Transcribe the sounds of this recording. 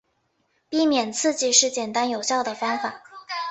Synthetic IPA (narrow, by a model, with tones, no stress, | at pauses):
pi˥˩mjɛ˨˩nt͡sʰɹ̩˥˧t͡ɕi˨˩ʂɻ̩˥˩t͡ɕjɛ˨˩nt̪a˥njo˨˩ʊɕjɑ˥˩ʊd̪ə˩fɑ˥ŋfa˨˩˦